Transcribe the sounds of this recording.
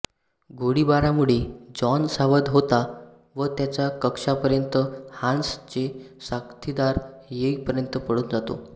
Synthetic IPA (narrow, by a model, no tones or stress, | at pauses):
ɡʱoɽibaɾamuɭed͡zɔnsaʋəd̪ɦot̪a | ʋət̪jat͡ɕjakəkʂapəɾjənt̪əhãnst͡ɕesakt̪ʰid̪aɾ | jeipəɾjənt̪əpəɽuːnd͡zat̪o̰